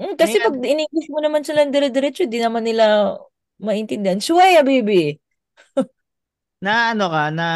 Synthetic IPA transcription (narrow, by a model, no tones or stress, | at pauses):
ʔm̩kɐsɛpɐɡ̚ɪnɪŋɡɪsmonɐmansɪlɐŋd̪ɛɾɛd̪ɛɾɛt͡ʃoɪnd̪inɐmanːɪla | mɐʔɪnt̪ɪnd̪ɪʔansʊwajɐbejbɪ | nɐʔɐnokana